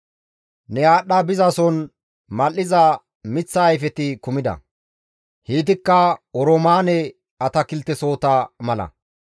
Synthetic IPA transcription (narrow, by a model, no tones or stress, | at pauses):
nɛjaːɗːɐbɪzɐsɔn | mɐlːɪzɐ | mɪt͡sːɐːjfɛt̪ɪkʊmɪd̪ɐ̰ | hiːt̪ɪkːɐɔɾomaːnɛ | ɐt̪ɐkɪlt̪ːɛso̞ːt̪ɐmɐlɐ̰